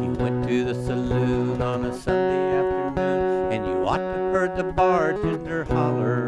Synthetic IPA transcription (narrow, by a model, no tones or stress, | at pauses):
jɨ̰wɛ̃ntʰɨðɨsɨluɾn̩ɨsʌ̃ndeæftə˞nʉ̃nɨ̃njɨɔ̰tʰɨhɜ˞d̪̚ðɨbɑɹdɪ̃nðə˞hɑlə˞